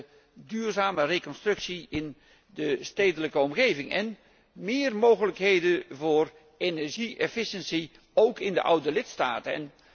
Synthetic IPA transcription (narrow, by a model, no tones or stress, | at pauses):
dyːrzaːmərekɔnstrʏksiɪn | dəstejdələkəɔmɣejvɪŋɛn | mɪːərmowɣələkɦejdəvʊːr | enɛɹʒiʔɛfɪʃənsi | owkɪndə̰ʔʌ̰wdəlɪtsta̰ːtəɛ̰n